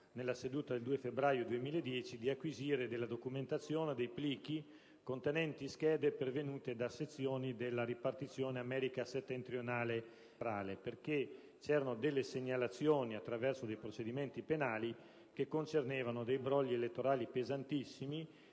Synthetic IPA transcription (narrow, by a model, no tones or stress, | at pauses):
nelːased̪uːt̪ad̪eld̪uːefebɾaːjod̪uemiːled̪jɛːt͡ʃid̪iakːwiziːɾed̪elːad̪okument̪at̪sːjoːned̪ejpliːk̟i | kont̪enɛnt̪isk̟ɛːd̪epervenuːt̪ed̪aset̪sːjoːnid̪elːaɾipart̪it̪sːjoːneamɛːɾikaset̪ːent̪ɾjonaːle | ɾaːleperke | t͡ʃɛːɾanod̪elːeseɲːalat̪sːjoːniat̪ːɾavɛrsod̪ejpɾot͡ʃed̪iment̪ipenaːli | kekːont͡ʃerneːvanod̪ejbɾɔʎːielet̪ːoɾaːlipezant̪isːimi